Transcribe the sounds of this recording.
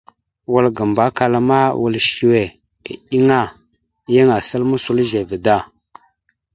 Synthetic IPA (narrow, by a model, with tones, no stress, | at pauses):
wə˨lɡə˨mba˨˦ka˨la˨ma˦wu˨lʃi˨wḛ˨ | ɗi˦ŋa˦ | jə˦ŋa˨sə˦lmu˦su˦lʒe˨və˨da˦˨